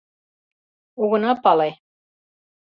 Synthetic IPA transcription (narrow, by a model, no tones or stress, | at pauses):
uɣɤ̆nɑpɑlˠɑj